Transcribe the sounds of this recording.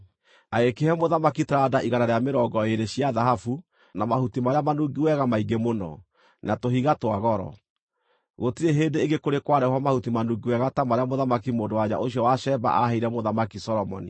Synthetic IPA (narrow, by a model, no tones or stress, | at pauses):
aekehɛmoðamakitɾadaʔiɣanaɾeameɾɔɡɔeɾeɕiaðaɦafu | namahutimaɾeamanuɡiwɛɣamaiɡemonɔ̰ | natoɦiɣatwaɣɔɾɔ̰ | ɣotiɾeɦeːndeːɡekoɾekwaɾɛhwamahutimanuɡiwɛɣatamaɾeamoðamakimoːndowaɲa̰ʔoɕiɔwaɕɛba̰ʔaɦeiɾɛmoðamakisɔɾɔmɔ̰nḭ